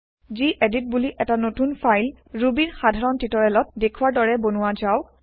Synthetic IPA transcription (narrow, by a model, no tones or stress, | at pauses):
ziʔedit̚buliʔɛtanotunpʰajl | ɹubiɹxadʱaɹɔntitɔɹɛlɔt̚dekʰuwaɹdɔɹɛbonʊwazaʊ